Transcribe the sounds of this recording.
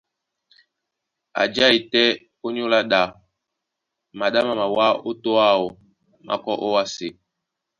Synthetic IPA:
a̰˨d͡ʒa˦i˨tɛ˦ | o˦ɲu˦la˦ɗa˨ | ma˨ɗa˦ma˨ma˨wa˦o˦to˦a˦˨o˨ | mʔa̰˨kɔ˦ʔo˦wa˦se˨

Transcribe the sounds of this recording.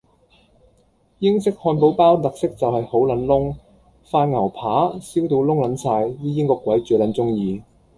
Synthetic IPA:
jɪ˥ŋsɪ˥k̚hɔː˧npo˨˥wpaː˥wt̪ɐ˨k̚sɪ˥k̚t͡sɐ˨whɐ˨jho˨˥wlɐ˨˥nlʊ˥ŋ | faː˧nŋɐ˨˩wpʰaː˨˥siː˥wt̪o˧wlʊ˥ŋlɐ˨˥nsʰaː˧jjiː˥jɪ˥ŋkɔː˧kʷːwɐ˨˥jt͡ʃyː˨˩lɐ˨˧˥nt͡sʊ˥ŋjiː˨˧

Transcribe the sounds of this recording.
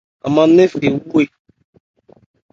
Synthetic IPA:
a̰˨mã˦ne˦fe˨u˦kwe˦˨

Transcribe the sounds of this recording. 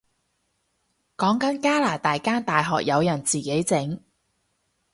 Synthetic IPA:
kɔː˨˥ŋkɐ˨˥nkaː˥laː˨˩t̪aː˨jkaː˥nt̪aː˨jɦɔ̰ː˨k̚jɐ˨˧wjɐ˨˩nt͡siː˨˩ke˨˥jt͡sɪ˨˥ŋ

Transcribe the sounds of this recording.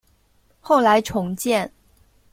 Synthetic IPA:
xo˥˩ʊla˧˥ɪʈ͡ʂʰʊ˧˥ŋt͡ɕjɛ˥˩n

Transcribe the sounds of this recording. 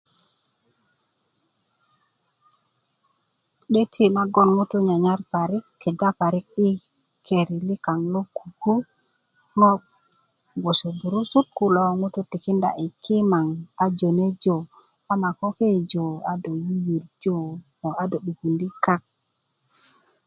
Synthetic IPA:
ɗe˦tʰi˦˨ma˦ɡo˦nŋu˦tu˦ɲa˨ɲa˦ɾpa˨ɾi˦kːe˨ɡa˦pa˨ɾi˦k̚i˦ | kʰe˨ɾi˨li˦ka˨ŋlo˦ku˨ɡu˦ | ŋo˦ɓ | ɡo˨so˨bu˨ɾu˦su˦t̚ku˨lo˦ŋu˦tu˦ti˨ki˦nda̰˨ʔi˨kʰi˦ma˨ŋa˨d͡ʒo˨ne˦d͡ʒo˨ | a˦ma˨ko˦ke˦˨d͡ʒo˨a˦do˨ju˦ji˨ɾd͡ʒo˦ | o˨a˦do˨ɗu˨ɡu˨ndi˦ka˦k̚

